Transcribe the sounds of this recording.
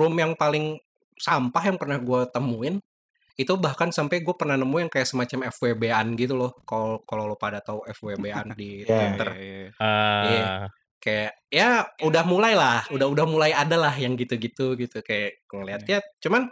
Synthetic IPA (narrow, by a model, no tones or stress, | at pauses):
rʊmjaŋpalɪŋ | sampaɦjaŋpərnahɡuat̪əmuɪn | it̪ubahkansampajɡuapərnahnəmujaŋkajaʔsəmat͡ʃamɛfwɛbeanɡit̪ulɔhkalkalalopadat̪auɛfwɛrbea̰ndit̪wit̪ər | ja | kajaʔ | jaudahmulajlahudaɦudahmulajadalahjaŋɡit̪uɡit̪uɡit̪ukajaʔŋəliɦat̪̚jat͡ʃuman